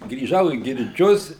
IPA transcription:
ɡrʲiːˈʒɐʊ iː ɡʲɪrʲˈd͡ʒʲʊs

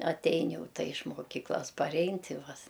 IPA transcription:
ɐtʲˈɛɪn ˈjɛʊ ˈtɐ ɪʃ moːˈkʲiːklˠɐs pɐˈrʲɛɪn ˈtʲɪ ˈʋɐ s

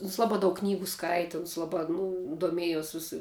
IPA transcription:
ʊns ˈlˠɑːbɑː ˈdɐʊk ˈknʲiːɡʊ ˈskɐɪtʲɪ ʊns ˈlˠɑːbɑː ˈnʊ doːˈmʲiɛjoːs ˈʋʲɪsɐ

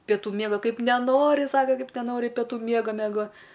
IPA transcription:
pʲɛˈtuː ˈmʲiɛɡoː ˈkɐɪp nʲɛˈnoːrʲɪ ˈsɑːkɐ ˈkɐɪp nʲɛˈnoːrʲɪ pʲɛˈtuː ˈmʲiɛɡoː mʲɛˈɡoː

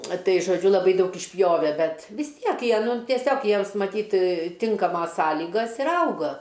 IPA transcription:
ˈtɐɪ ʒoːˈd͡ʒʲʊ lˠɐˈbɐɪ ˈdɐʊk ɪʃʲˈpʲjoːʋʲɛ ˈbʲɛt ʋʲɪs ˈtʲiɛk ˈjiɛ ˈnʊ tʲiɛˈsʲoːk ˈjiɛms mɐˈtʲiːt ˈtʲɪŋkɐmoːs ˈsɑːlʲiːɡɐs ɪr ˈɐʊɡɐ

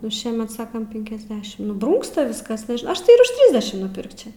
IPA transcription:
nʊ ˈʃʲiɛmʲɛt ˈsɑːkɐm ˈpʲɪŋʲkʲɛzʲdʲɛʃʲɪm nʊ ˈbruːŋkstɐ ˈʋʲɪskɐs nʲɛʒʲɪnɐʊ ˈɐʃ tɐɪ ɪr ʊʃ ˈtʲrʲɪzʲdʲɛʃʲɪm nʊˈpʲɪrkt͡ʃʲɛ

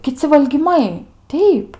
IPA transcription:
kʲɪˈt͡sʲɪ ʋɐlʲɡʲiːˈmɐɪ ˈtʲɛɪp

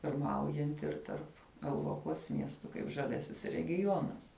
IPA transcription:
pʲɪrˈmɐʊjɛnʲtʲɪ ɪr ˈtɐrp ɛʊˈroːpoːs ˈmʲiɛstʊ kɐɪp ʒɐˈlʲæːsʲɪs rʲɛɡʲɪˈjoːnɐs

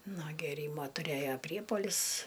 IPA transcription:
nuɔ ɡʲeːˈrʲiːmoː tʊˈrʲeːjoː ˈpʲrʲiɛpuɔlʲɪs

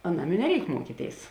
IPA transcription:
ɐˈnɐm ɪ nʲɛˈrʲɛɪk ˈmuɔkʲiːˌtʲeːɪs

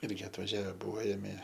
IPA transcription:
ˈɪrʲɡʲɪ ɐtʋɐˈʒʲæːʋʲɛ ˈbuɔ ˈeːmʲeː

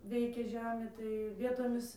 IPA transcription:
ˈʋʲɛɪkʲeː ˈʒʲæːmʲeː tɐɪ ˈʋʲiɛtoːmʲɪs

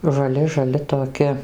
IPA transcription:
ʒɐˈlʲɪ ʒɐˈlʲɪ toːˈkʲɪ

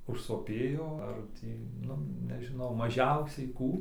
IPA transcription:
ʊʃsoːˈpʲeːjoː ɐr ˈtʲiː ˈnʊ nʲɛʒʲɪˈnɐʊ mɐˈʒʲɛʊsʲɛɪ ˈkuː

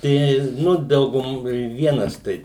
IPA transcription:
ˈtʲɛɪ ˈnʊ ˈdɐʊɡʊm ɪr ˈʋʲiɛnɐs ˈtɐɪ

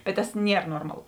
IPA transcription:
bʲɛt tɐs ˈnʲiɛr ˈnoːrmɐˌlˠʊ

